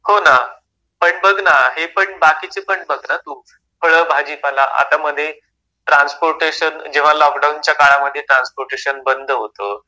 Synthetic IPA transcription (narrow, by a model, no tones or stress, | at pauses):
hona | pəɳbəɡnaɦepəɳbakit͡sepəɳbəɡnat̪uː | fʰəɭəbʱad͡ʑipalaʔa̰t̪aməd̪ʱːje | ʈɾanspoɾʈeɕənd͡ʑeʋ̤alɔkɖawnt͡ɕjakaɭaməd̪ʱːjeʈɾanspoɾʈeɕənbənd̪ʱəɦot̪ə